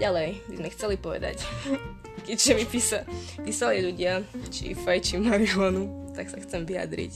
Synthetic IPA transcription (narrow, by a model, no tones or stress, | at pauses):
ɟalɛjbizmɛxt͡sɛlipɔʋɛ̰d̪a̰c | kɛʒɛmipiːsapiːsaliʎuɟɪat͡ʃḭfajt͡ʃimaʋilanut̪aksaxt͡sɛmʋija̰d̪ɾḭc